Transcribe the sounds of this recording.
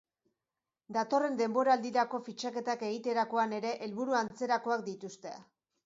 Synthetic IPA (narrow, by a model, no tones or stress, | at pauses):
d̪at̪o̞re̞nd̪e̞mbo̞ɾaːld̪iɾako̞fit͡ʃake̞t̪ake̞ɣit̪e̞ɾako̞ane̞ɾe̞ʔelβuɾuant͡se̞ɾako̞akd̪it̪ust̪e̞a